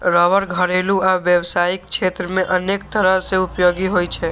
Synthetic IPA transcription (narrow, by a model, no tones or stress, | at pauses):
ɾɔʋəɾɡʱəɾelũaʋjəʋsaɪk̚kʃʰet̪ɾəmẽʔənekt̪ʰəɾaseʊpjoɡiɦojt͡ʃʰe